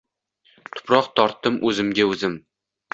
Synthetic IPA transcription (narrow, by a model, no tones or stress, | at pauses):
t̪ʰʊ̥pʰɾɒqt̪ʰɒɾt̪ːɪmʔɵzɪmɡʲaɵzɪm